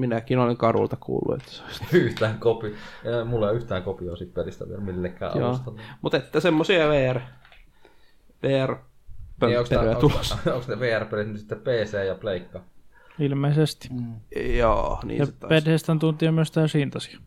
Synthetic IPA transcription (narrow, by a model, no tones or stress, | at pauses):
minækinoleŋkɑrṵlt̪ɑkṵːlːṵḛt̪ːæ̥so̥isyht̪æːŋkopimulːeyht̪æːŋkopioˑːsip̪perist̪æ̰ʋḭelmilːekːæ̰ːj̰ouːst̪ɑnːmut̪et̪ːæsemːosiɑʋeːær | ʋeːær | pøokspːerøjæt̪ulosoŋksneʋeːærperit̪nytsit̪ːeppeːseːjɑpleˑikːɑ | ilmeisest̪i̥jo̰ːnḭːt̪ːpethest̪ænt̪unt̪iɑmyøst̪æːsiːnt̪ɑsi̥ɑ̥